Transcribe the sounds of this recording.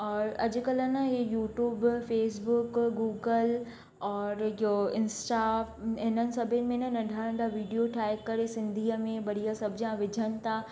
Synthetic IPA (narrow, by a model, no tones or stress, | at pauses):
ɔːɾɐd͡ʑʊ̆kɐlənejuːʈjuːbfeːs̬bʊkɡuːɡəl | ɔːɾjoɪnsʈaɦɪnənɪ̆sɐbʱɪnɪ̆mẽɪnənɐɖʱaːɾə̃ɳɖaʋiːɖijoʈʰaːekɐɾesɪ̃nd̪ʱiːəmẽbɐɾiasɐbʱɪd͡ʑãʋɪd͡ʑʱənɪ̆t̪ʰãː